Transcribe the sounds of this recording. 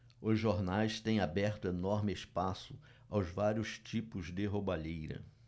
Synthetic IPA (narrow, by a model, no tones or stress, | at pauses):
ʊzʒoɾnajst̪ẽj̃abɛɾt̪ʊenɔɾmɪespasʊ | awzvaɾiʊst͡ʃipʊzd̪ɪɦobaʎejɾɐ̰